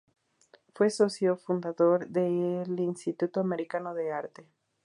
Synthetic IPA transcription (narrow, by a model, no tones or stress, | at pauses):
fwe̞sosjofund̪aðoɾðelinst̪it̪ut̪oameɾikanoðe̞aɾt̪e̞